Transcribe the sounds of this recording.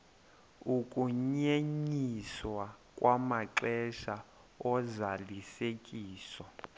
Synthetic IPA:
ukʼuɲeɲiswakʼwʔamaǃɛʃa | ɔzalisekʼiːswɔ

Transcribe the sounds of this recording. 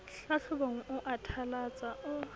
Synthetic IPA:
ɬaɬʊboŋ̩ʔʊʔatʰalat͡sʼaʊ

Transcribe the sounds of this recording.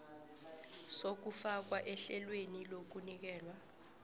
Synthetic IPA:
sok̬ufak̬waʔɛɬɛlwenilok̬unik̬ɛːlwa

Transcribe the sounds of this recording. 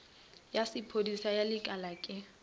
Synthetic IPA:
jasɪpʰodisajalɪkʼalakʼɪ

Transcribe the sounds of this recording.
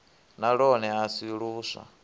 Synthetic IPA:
naɺɔnɛasiɺuːsa̰

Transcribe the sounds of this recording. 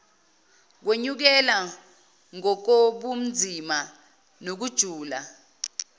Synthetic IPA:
k̬weɲuk̬ɛla | ŋɔk̬oɓum̩d͡zʱima | nok̬ud̥ʒ̥ʱuːla

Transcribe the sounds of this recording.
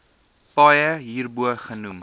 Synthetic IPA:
pɐjəɦiːrbuəχənum

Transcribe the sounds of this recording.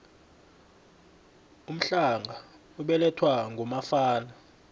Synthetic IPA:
um̩ɬaŋʱa | uɓɛlɛtʰwaŋʱumafaːna

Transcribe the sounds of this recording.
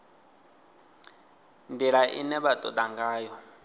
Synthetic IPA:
ndiɺaʔḭnɛβatʼɔd̪aŋɡaːjɔ

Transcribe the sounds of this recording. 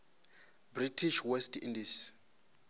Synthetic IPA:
britʰiʃwɛstʰḭndis

